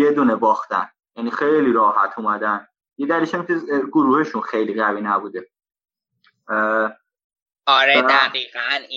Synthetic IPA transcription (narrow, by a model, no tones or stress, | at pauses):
jed̪unebɒːxt̪æ̰n | jænixejliɾɒːhæt̪ʰumæd̪æn | jed̪æliʃæmkʰeɡoɾuːheʃũnxejliɣæviːnæbuːd̪e | ɒɾeæɣiːɣæni